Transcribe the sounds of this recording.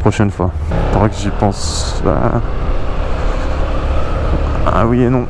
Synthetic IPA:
pχɔʃɛnfwa | faʁwakəʒipɑ̃sa̰ | a̰wienɔ̃

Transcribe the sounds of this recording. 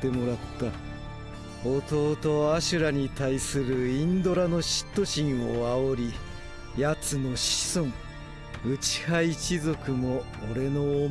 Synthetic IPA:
e̞mo̞ɾat̪ːa | ot̪o̞ːt̪o̞aɕɨɾaɲ̟it̪aisɨɾɯ̟ĩnd̪o̞ɾano̞ɕi̥t̪ːo̞ɕĩɰ̃oao̞ɾʲi | jat͡sɨno̞ɕi̥sõŋ | ɯ̟t͡ɕi̥hait͡ɕizo̞kɯ̟mo̞ː | ɾe̞no

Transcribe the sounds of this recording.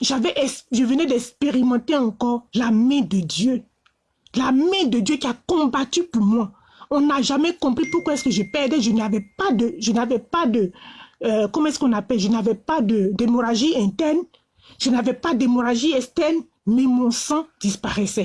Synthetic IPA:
ʒavɛʔɛsʒəvənɛd̪ɛspeʁimɑ̃t̪eɑ̃kɔʁlamɛ̃d̪əd̪jø | lamɛ̃d̪əd̪jøkʲiakɔ̃bat̪ypuʁmwa | ɔ̃naʒamɛkɔ̃pχipuʁkwaɛskəʒəpɛʁd̪ɛʒənavɛpad̪əʒənavɛpad̪ə | kɔmãɛsəkɔ̃napɛlʒənavɛpad̪əd̪emoʁaʒiɛ̃t̪ɛʁn | ʒ̥ənavɛpad̪emoʁaʒiɛst̪ɛʁn | mɛmɔ̃sɑ̃d̪̥ispaʁɛsɛ

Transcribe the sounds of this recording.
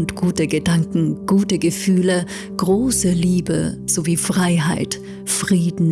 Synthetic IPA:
ntɡ̥uːtəɡədaŋkŋ̩ɡ̥uːtəɡəfyːlə | ɡ̥ʁoːsəliːbə̰z̥oviːfʁ̥aɪɦaɪt | fʁ̥iːdn̩

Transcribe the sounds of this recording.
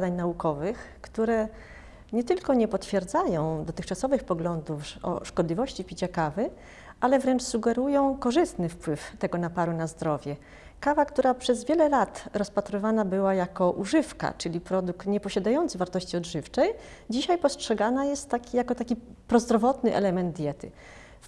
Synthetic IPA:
d̪aɲnaukɔvɘxkt̪uɾɛ | ɲɛt̪ɘlkɔɲɛpɔt̪fʲjɛɾd̪zajɔ̃w̃d̪ɔt̪ɘxt͡ʂasɔvɘxpɔɡlɔnd̪ufɔ̰ʂkɔd̪lʲivɔɕt͡ɕipʲit͡ɕakavɘ | alɛvɾɛnt͡ʂsuɡɛɾujɔ̃w̃kɔʐɘst̪nɘfpwɘft̪ɛɡɔnapaɾunazd̪ɾɔvʲjɛ | kavakt̪uɾapʂɛzvʲjɛlɛlat̪ɾɔspat̪ɾɪvanabɘwajakɔʔuʐɘfka̰t͡ʂɘlʲipɾɔd̪uk̚t̪ɲɛpɔɕad̪ajɔnt̪sɘvaɾt̪ɔɕt͡ɕiɔd̪ʐɘft͡ʂɛj | d͡ʑiɕajpɔstʂɛɡanajɛst̪ːakʲijakɔt̪akʲipɾɔzd̪ɾɔvɔt̪nɘʔɛ̰lɛmɛnd̪̚d̪ʲjɛt̪ɘ̰

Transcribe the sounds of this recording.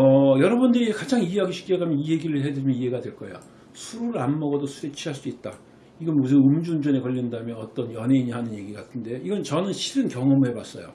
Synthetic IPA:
ʌjʌɾʌbundɯɾikad͡ʑaŋiɦeɦaɡiɕʰi̥k͈ieɡamjʌniɦe̞ɡiɾɯɭɦe̞dɯimjʌiɦe̞ɡadweɭk͈ʌejo̰ | sʰuɾoɯɭanmʌɡʌdosʰue̞t͡ɕʰiɦaɭs͈uit̚t͈a | iɡʌnmus̬ʰɯɯmd͡ʑund͡ʑune̞kʌʎːindamjʌnʌt͈ʌnjʌne̞iɲiɦanɯnje̞ɡiɡatʰɯnde̞iɡʌnt͡ɕʌnɯnɕʰiɾɯnkjʌŋʌmuɦe̞bas͈ʌjo̰

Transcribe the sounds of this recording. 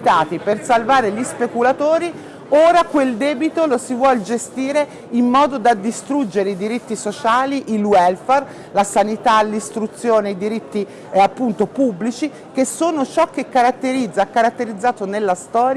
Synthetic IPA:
t̪aːt̪ipersalvaːɾeʎispekulat̪oːɾi | oːɾakweld̪ɛːbit̪olosivwɔld͡ʒest̪iːɾe | imːɔːd̪od̪ad̪ːist̪ɾud͡ʒːeɾeid̪iɾit̪ːisot͡ʃaːliʔilwɛlfɛr | lasanit̪alist̪ɾut̪sːjoːneid̪iɾit̪ːi | apːunt̪opubːlit͡ʃi | kesoːnot͡ʃɔkːekːaɾat̪ːeɾid̪zːakːaɾat̪ːeɾid̪zːaːt̪onelːast̪ɔːɾj

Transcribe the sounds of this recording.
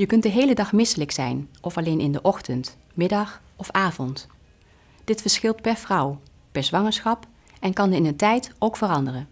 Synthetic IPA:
jəkɵnt̚dəɦejlədɑχmɪsələksɛjnʔɔfɑlejnʔɪndəʔɔχtənt | mɪdɑχ | ɔfaːvɔnt | d̥ɪtfəɹsχɪlˠtpɛɹvrɑw | pɛɹzʋɑŋəɹsχɑp | ɛnkɑnəɪnəntɛjtowkfərɑndərən

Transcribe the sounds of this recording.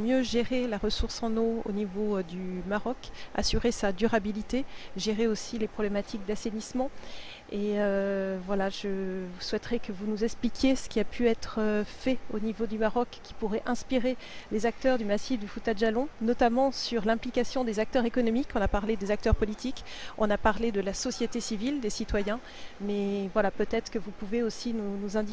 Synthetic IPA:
mjøʒeʁelaʁəsuʁsɑ̃noo̰nivod̪ymaʁɔka̰syʁesad̪yʁabilit̪eʒeʁeosilepχɔblɛmat̪ʰik̚d̪asenismɑ̃ | eøvwalaʒəuswɛt̪ʁɛkəvunuzɛksplikʲjesə̥kʲiapʰyɛt̪χəfɛonivod̪ymaʁɔkːi̥puʁɛʔɛ̃spiʁelezak̚t̪œʁd̪ymasid̪əfut̪ad̪ʒalɔ̃nɔt̪amɑ̃syʁlɛ̃plikasjɔ̃d̪ezak̚t̪œʁekɔnɔmikʰɔ̃napaʁled̪ezak̚t̪œʁpɔlit̪ikɔ̃napaʁled̪əlasɔsjet̪esivild̪esit̪wajɛ̃ | mɛvwalapøt̪ɛt̪χə̥kəvupuveosinunuzɛ̃d̪i

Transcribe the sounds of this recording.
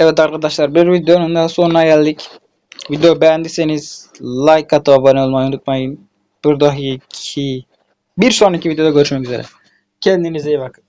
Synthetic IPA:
ɛvɛt̪aɾkʰad̪aʃlˠaɾbiɾvid̪ejonund̪aso̞nunaɟælʲd̪ic | vid̪ejobɛjænd̪iseniz̥lˠajkʰːat̪ʰɯvabanɯolˠmajunut̪̚majɯm | b̥iɾd̪aɦicʰi | biɾsonacʰivid̪ejoaɟø̞ɾyʃmɛcyze̞ɾɛ̰ | cʰɛnd̪inizejbakɯ̥

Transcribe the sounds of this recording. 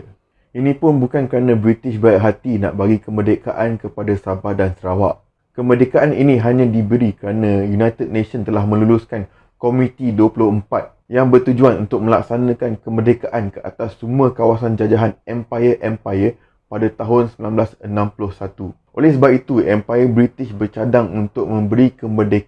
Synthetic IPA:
ʔinĩpʊnbukankəɾanãbɾit̪ɪʃbajaʔɦat̪ina̰ʔbaɡikəmədekaʔankəpadasabahdansəɾawaʔ | kəmədekaʔanḭnĩɦaɲãdibəɾikəɾanãjunajt̪əd̚nẽsənt̪əlahmə̃lulʊskan | komĩt̪iduəpulʊhəmpat̪̚ | jaŋbərt̪ud͡ʒuanunt̪ʊk̚mə̃la̰k̚sanə̃kankəmədekaʔankəʔa̰t̪asːumuəkawas̬and͡ʒad͡ʒaɦanɛmpajəʔɛmpajə | padat̪aɦʊnsəmbilanblasənãmpulʊhsat̪u | ʔo̰lɛhsəbap̚it̪uɛmpajəbɾit̪ɪʃbərt͡ʃadaŋunt̪ʊk̚mə̃mbəɾikəmərdek

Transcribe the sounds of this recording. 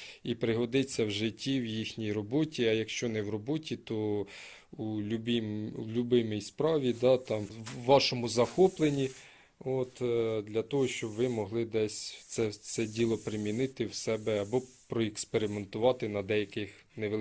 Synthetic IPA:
ipɾɪɦɔd̪ɪt͡sʲːɐwʒɪtʲːiwjixnʲijrɔbɔtʲiɐjɐkʃt͡ʃɔnɛwrɔbɔtʲit̪ɔ | ulʲubimlʲʊbɪmijspɾɑʋʲid̪ɑt̪ɑmːɑʃɔmʊzɐxɔplˠenʲi | ot̪d̪lʲɐt̪ɔɦɔʃt͡ʃɔbʋɪmɔɦlˠɪd̪ɛsʲsɛsɛdʲilˠɔpɾɪmʲinɪt̪ɪwsɛbɛɐbɔ | pɾɔɛkspeɾʲɪment̪ʊʋɑt̪ɪnɐd̪ɛjɐkɪx | neʋ

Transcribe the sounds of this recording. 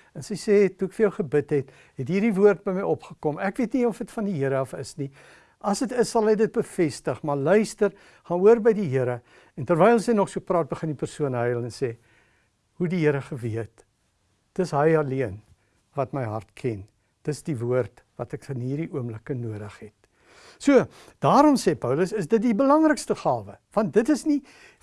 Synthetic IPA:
ənsəjsɛːtuəkfərjəwχəbətɦɛt | ɦɛtɦiːrdivuərt̚bəjməjɔpχəkɔmækviətniɔfətfɐndiɦiəɾəɐfəsni | ʔɐsətəsːɐlˠɦəjdət̚bəfɛstəχmɐrlœɥstər | χɑnuərbəjdiɦiəɾə | ɛntərvɛjəlsɛjnɔχsuəprɑːt̚bəχəndipərsuənɦəjəlˠɛnsɛː | ɦudiɦiəɾəχəviət | dəsɦəjɐliən | vɐtməjɦɐrtkʰɛn | d̥əsdivuərt | vɐtɛkənɦiːrdiuəmləkənuədəχɦɛt | suə | d̥ɑːɾɔmsɛːpœwləsəsdət̚dibəlɐŋrəkstəχɑːvəvɐnt̚dətəsni

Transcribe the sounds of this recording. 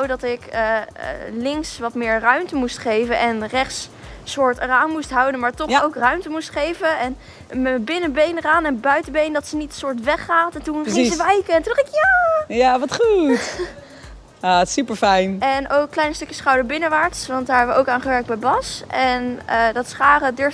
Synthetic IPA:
owdɑtɪkə̰ | lɪŋksʋɑtmɪːɹrœɥmtəmustχejvənʔɛnrɛχtssʊːɹtraːnmustɦɑwdənmaːɹtɔχowkrœɥmtəmustχejvənɛn | məbɪnəbejnraːnɛnbœɥtəbejndɑtsənitəsʊːɹtʋɛχaːtɛntunɪsəʋɛjkəɛntundɑχtɪkjaːjaʋɑtχut | atɪ̥sypəɹfɛjnɛnowkːlɛjnəstɵkjəsχɑwdəɹbɪnəʋaːɹtsʋɑnt̚daːɹɦɛʋəʔowkaːnχəʋɛɹk̚bɛjbɑsɛnədɑtsχaːrədʏɹf

